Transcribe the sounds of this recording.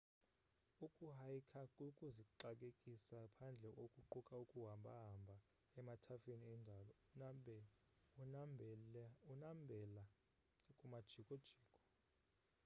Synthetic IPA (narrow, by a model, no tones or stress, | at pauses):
ukʼuɦajkʰakʼukʼuziǃak̬ʼekʼisapʰand͡ɮʱɛʔokʼuǃukʼaukʼuɦambʱa̰ɦambʱa | ɛmatʰafeniɛndʱalɔ | unambʱɛla | kʼumad̥ʒ̥ʱikʼɔd̥ʒ̥ʱiːkʼɔ̥